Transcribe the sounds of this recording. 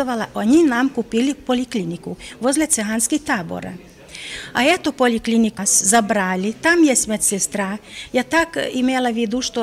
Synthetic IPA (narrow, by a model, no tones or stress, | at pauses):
oʋalaʔoɲinamkupilipoliklinikuʋozlet̪seɦanskit̪aːbo̰ɾa̰ | aɛt̪opoliklinikaszabɾaːlʲit̪amjɛsmɛt̪sest̪ɾajat̪akimelaʋid̪uʃt̪o